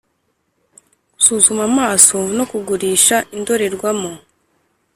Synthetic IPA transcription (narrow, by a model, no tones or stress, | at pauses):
ku̥suːzumamaːsoɱvuno̞kuɡuɾiːʃaʔindo̞ɾe̞ɾɡwamo